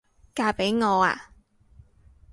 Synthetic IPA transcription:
kaː˧pe˨˥jŋɔː˨˧a̰ː˧

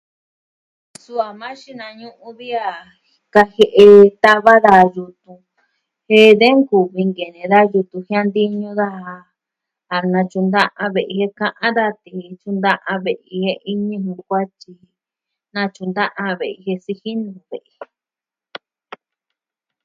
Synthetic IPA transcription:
su˦a˨mã˦ʃi˦nã˧ɲũ˦ʔũ˧βi˦a˧ | ka˧he˧ʔe˧t̪a˦βa˦ða˧ju˧t̪ũ˧ | he˦ðe˦ŋku˨βi˧ŋɡe˨nẽ˨ða˦ju˧t̪ũ˧hĩ˦ã˧nd̪i˦ɲũ˧˦ða˦a˧ | a˨nã˧t͡ʃũ˧nd̪ã˦ʔã˧βe˨ʔi˧he˧kã˦˧ʔã˦d̪a˦t̪i˧˨˧t͡ʃũ˧nd̪ã˦ʔã˧βe˨ʔi˧he˧ʔi˦ɲĩ˧hũ˧kʷa˦t͡ʃi˧ | nã˧t͡ʃũ˧nd̪ã˦ʔã˧βe˨ʔi˧he˧si˧hi˦nũ˨βḛ˨ʔe˨

